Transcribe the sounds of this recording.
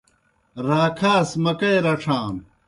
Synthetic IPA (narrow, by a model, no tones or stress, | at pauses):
ɾaːkʰaːsmɐkɐjɾɐʈ͡ʂʰaːn